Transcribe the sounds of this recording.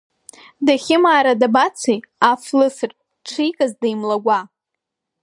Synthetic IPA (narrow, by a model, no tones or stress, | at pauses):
daχʲɪmaːɾadabat͡sʰejaflɨsɨrtʼ | ʈ͡ʂʰijkʼazdejmlaɡʷa